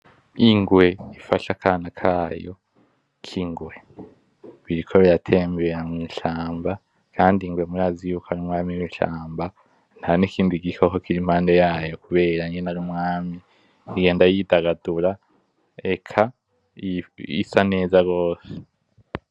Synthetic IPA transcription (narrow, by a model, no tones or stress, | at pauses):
iŋɡwe̞ifaʃakʰaːnakʰaːjo̞̰ | kʰiŋɡwe̞ | βiɾikʰo̞βiɾatʰe̞ːmbeɾamŋiːʃaːmba | kʰaːndiŋɡwe̞muɾaːzijuːkʰoaɾumŋaːmiiʃa̰ːmba | n̥hanikʰiːnduiɡikʰoko̞kiɾimhaːnde̞jaːjo̞kuβe̞ːɾaiɲɡenaɾumŋaːmi | iɡe̞ːndajidaɡaduɾa | ekʰa | ḭsane̞ːzaɡo̞ːse̥